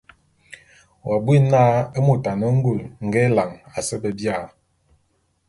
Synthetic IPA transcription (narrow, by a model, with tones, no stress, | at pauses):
wa˨bwi˦naː˦e˦mo˨ta˨nə˦ŋ̩˦ɡu˦˨lŋ̩˨ɡe˦la˨ŋa˨sə˦bə˨bja˦˨